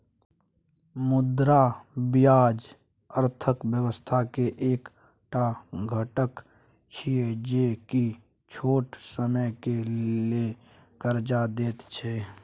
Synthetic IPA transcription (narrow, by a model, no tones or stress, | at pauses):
mʊd̪ɾabɪjaːd͡ʒ | əɾt̪ʰəkbjəwəst̪ʰakeʔeːk | ʈaɡʱəʈək | t͡ʃʰied͡ʒeki | t͡ʃʰoːʈsəməjkele | kəɾd͡ʒad̪eːt̪t͡ʃʰɛː